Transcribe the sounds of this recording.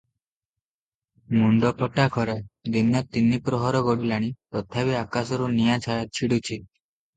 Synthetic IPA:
muɳɖɔpʰɔʈakʰɔɾed̪inɔt̪inːipɾɔɦɔɾɔɡɔɽilaɽ̃ipɾɔt̪ʰabiakasɔɾunijat͡ʃʰajat͡ʃʰiɽut͡ʃʰi

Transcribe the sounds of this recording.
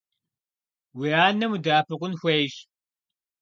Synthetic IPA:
wiaːnɐmudaːpɨqʷʊnxʷejɕ

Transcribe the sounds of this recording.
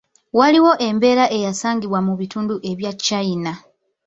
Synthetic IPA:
waliwo̞ʔe̞mbe̞ːɾaʔe̞jasaːŋɡiβwamuβituːnduʔe̞βjacːaina

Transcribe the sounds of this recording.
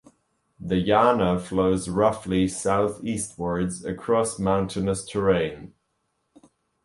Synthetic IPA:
ðəjænəfloʊzɹʌflisaʊθist̚wə˞dzəkʰɹ̥ɔsmãʊ̃ntʰɨnəstʰəɹẽɪ̃n

